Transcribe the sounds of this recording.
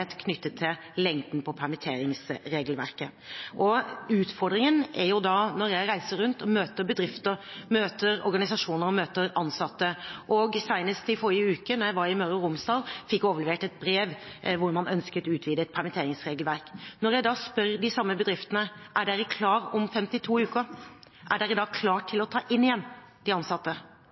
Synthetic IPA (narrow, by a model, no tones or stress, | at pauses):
t̪kʰnʏt̪ːət̪ʰːɪl | lɛŋd̪n̩pʰɔpʰæɾmət̪ʰeːɾɪŋsɾeːɡlʋæ̰ɾkə | ʔɔʉːt̪fɔɾɖ̪ɾɪŋənæɾjʊd̪ɑnɔɾjæɪɾæɪsəɾʉnt̪ɔmøːt̪əɾbəd̪ɾɪft̪əɾmøːt̪əɾɔ̰ɾɡɑnɪsɑʂuːnəɾɔmøːt̪əɾɑnsɑt̪ːəʔɔɡsæɪnəst̪ɪfɔɾɪəʉːkənɔjæɪʋɑɾɪmœɾəɾʊmsd̪ɑːlfɪkːoːʋəlɛʋeːʈɛt̪̚bɾeːʋʋʊɾmɑnœnskət̪ʉːt̪ʰʋiːd̪əɛt̪̚pʰæɾmɛnt̪eːɾɪŋsɾeːɡəlʋæɾknɔɾjæɪd̪ɑːspœɾɖ̪ɪsɑmːəbəd̪ɾɪft̪ənəʔæɖæɾɪkʰlɑːɾɔmfɛmt̪ɪt̪ʰuːʉːkəʔæɖæɾɪd̪ɑːɡkʰlɑːʈʰːɪlɔt̪ʰɑːʔɪnːɪjɛnː | d̪ɪɑnsɑt̪ːə